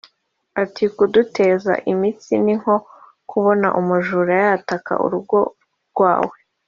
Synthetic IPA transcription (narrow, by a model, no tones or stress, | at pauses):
atikudute̞ːza̰ʔimit͡siniŋ̥ho̞ | kʰuβo̞na̰ʔumuʒuːɾajataka̰ʔṵɾuɡo̞ | ɾɡ̥waːwe